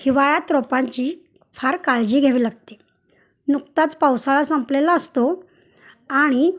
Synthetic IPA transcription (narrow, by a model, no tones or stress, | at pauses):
hiʋajat̪ɾɔpãɲt͡ɕiː | fʰaɾkaɭd͡ʑiːɡʱeʋiːlaɡt̪e | nukt̪at͡spawsaɭasəmplelaəst̪o | aɽ̃i